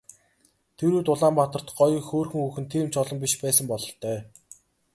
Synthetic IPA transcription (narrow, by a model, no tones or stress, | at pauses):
t̪ʰeɾuːt̪ʊɮaːmpat̪ə̆r̥t̪ɢɔj̆xoːrxɵ̆ŋuxɘ̆nt̪ʰiːmt͡ɕʰɔɮɞ̆mpʲiʃpæːsə̆mpɔɮɞ̆ɬt̪œː